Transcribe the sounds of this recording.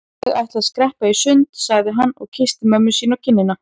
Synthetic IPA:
ɣa̰jht̪laðskɾɛhpaisʏnt̪saɣðɪɦanːɔ̰ɣcʰɪst̪ɪmœmːʏsiːnacʰɪnːɪna

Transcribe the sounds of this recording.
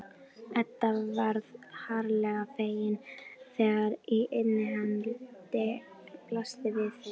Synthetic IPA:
ɛt̪ːavaɾðhaɾlɛɣafeːjɪnθɛːɣaɾiʔet̪nːɪɦanlt̪ɪ | plast̪ɪvɪθ

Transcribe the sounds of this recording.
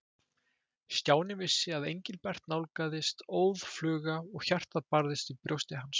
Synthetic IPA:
st̪jaːwnɪvɪsːɪaðḛjɲcɪlpɛr̥t̪nawlkaːðɪst̪oːwðflʏːɣaɔɣçar̥t̪apaɾðɪst̪ipɾjowst̪ɪɦans

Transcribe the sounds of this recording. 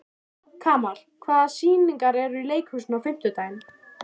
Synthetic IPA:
kʰaːmaɾ̥kʰvaːðasiːniŋkaɾɛɾʏileːjkhʏsnawfɪm̥t̪ʏt̪aːjɪn

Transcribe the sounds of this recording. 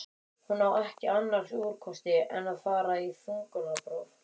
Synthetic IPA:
hunːawɛhcɪanːaɾ̥suːɾkʰɔst̪ɪɛnaðfaːɾaifuŋkʏnapɾowɾ

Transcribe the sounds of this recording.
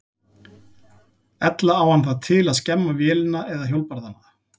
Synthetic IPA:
ɛt̪laːwhanθaðt̪ʰɪlaðscɛmːavjɛːlɪnaɛðaðçjowlpaɾðana

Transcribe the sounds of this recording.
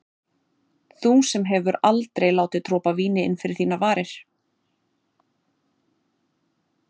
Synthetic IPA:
θusɛmɦɛvʏɾalt̪ɾejlaːwt̪ɪt̪ʰɾɔːpaviːnɪɪ̰nfɪɾɪɾ̥θiːnavaːɾɪɾ̥

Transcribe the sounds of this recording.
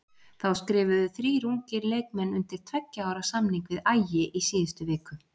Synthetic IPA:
θawskɾɪːvʏðʏθɾiːɾuŋcɪɾleːjk̚mɛnːʏnt̪ɪɾ̥t̪ʰvɛcːaaːwɾasamniŋkvɪðaːjɪʔisiːðɪst̪ʏvɪːkʏ

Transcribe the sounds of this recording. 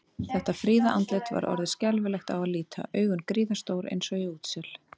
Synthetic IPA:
θɛht̪afɾiːðaʔant̪lɪt̪va̰ɾʔɔ̰ɾðɪscɛlvɪlɛxt̪awaðliːt̪ʰa̰ʔœːɥɣʏnkɾiːðast̪owɾḛjnsɔɣiuːt̪sɛl̥

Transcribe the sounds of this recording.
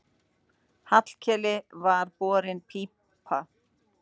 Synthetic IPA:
hat̪l̥cʰɛlɪvaɾpɔːɾɪnpʰipʰa

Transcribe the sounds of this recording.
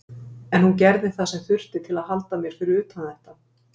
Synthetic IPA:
ɛnhuncɛɾðɪθasɛmθʏr̥t̪ɪt̪ʰɪlaðɦalt̪amjɛɾ̥fɪɾɪɾʏːt̪ʰanθɛht̪a

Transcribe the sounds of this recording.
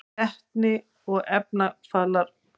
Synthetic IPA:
ɛht̪nɪ | ɔɣɛp̚nafaːlaɾ̥

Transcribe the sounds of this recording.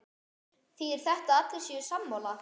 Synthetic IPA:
θiɛɾ̥θɛht̪aat̪lɪ̥siʏsamːawla

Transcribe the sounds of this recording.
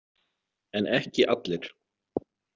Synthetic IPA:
ɛnɛhcɪʔat̪lɪɾ̥

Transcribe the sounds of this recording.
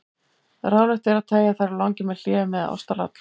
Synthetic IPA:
ɾaːwnɪht̪ɛɾaðt̪ʰeːjaθajɾalɔwŋcɪmɛðl̥ɪːvʏmːɛðaɔ̰st̪ala̰t̪l̥

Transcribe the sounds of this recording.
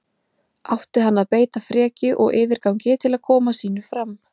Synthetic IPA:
awht̪ɪɦanːaðpeːjt̪afɾɛːcɪʔɔ̰ɣɪːvɪɾkawɲcɪt̪ʰɪlaðkʰɔːmasiːnʏfɾam

